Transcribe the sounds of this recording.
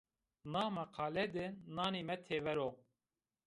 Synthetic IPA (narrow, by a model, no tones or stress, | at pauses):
nɑːmɛqʰɑːlɛd̪ɨnɑːneːmɛt̪ʰeːvɛɾoː